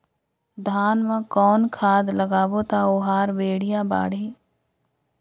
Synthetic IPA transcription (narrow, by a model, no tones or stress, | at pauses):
d̪ʱaːnmãkɔːnkʰaːd̪ləɡaːbot̪aoɦaːɾbeːɽ̤ijaba̰ːɽi